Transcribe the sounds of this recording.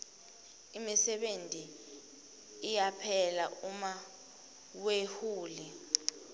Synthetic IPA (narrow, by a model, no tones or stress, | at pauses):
imisɛɓentʼi | japʰɛlauma | wehuːli